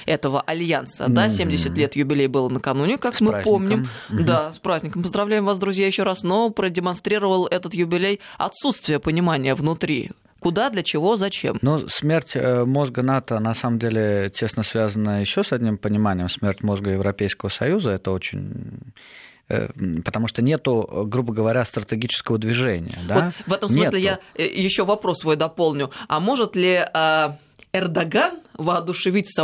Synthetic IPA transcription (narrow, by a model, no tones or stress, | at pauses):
ɛt̪əvəʔɐlʲjansə̰d̪asʲemʲdʲɪsʲɪt̪ʲlʲe̞t̪jʊbʲɪlʲejbɨlˠənəkɐnunʲɪkakmɨpomnʲɪmd̪aspɾazʲnʲɪkəmpəzd̪ɾɐvlʲæɪmvasd̪ɾʊzʲjajɪɕːoɾasno̞pɾədʲɪmɐnst̪ɾʲiɾəvəlˠɛt̪ət̪jʊbʲɪlʲejɐ̰t̪sut̪st̪vʲɪjəpənʲɪmanʲɪjəvnʊt̪ɾʲḭ | kʊd̪ad̪lʲət͡ɕɪvo̞zɐt͡ɕḛmnosmʲe̞rtʲmo̞zɡənat̪ənɐsaməmdʲelʲɪtʲe̞snəsvʲazənəjɪɕːosɐdʲnʲimpənʲɪmanʲɪjɪmsmʲertʲmo̞zɡəjɪvɾɐpʲejskəvəsɐjuzəɛt̪əo̞t͡ɕɪ̰nʲ | pət̪ɐmuʂt̪onʲe̞t̪ʊɡɾubəɡəvɐɾʲast̪ɾət̪ʲɪɡʲit͡ɕɪ̥skəvəd̪vʲɪʐɛnʲɪ̰jə̰d̪aovɛt̪əmssnmʲɨslʲɪjajɪɕːovɐpɾo̞svojd̪ɐpo̞lˠnʲʊɐmo̞ʐɨt̪lʲɪa | ɛrd̪ɐɡanvəɐd̪ʊʂɨvʲitʲsɐ